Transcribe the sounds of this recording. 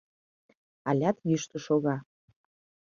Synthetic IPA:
ɑlʲɑt̪jyʃt̪ə̆ʃoɣɑ

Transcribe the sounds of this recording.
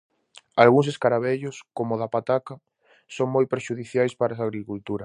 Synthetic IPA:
alɣuŋs̬eskaɾaβeʎʊskomʊðapat̪aka | soŋmojpeɾʃuðiθjajspaɾas̬aɣɾikult̪uɾɐ

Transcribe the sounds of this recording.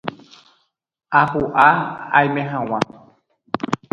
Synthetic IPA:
apuʔaa̰jmɛɦãw̃ã

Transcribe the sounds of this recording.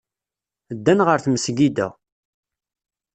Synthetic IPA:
d̪ːænʁəɾθməsɡid̪æ̰

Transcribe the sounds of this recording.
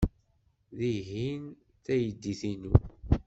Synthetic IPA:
ðiɦin | θæjəd̪ːiθinṵ

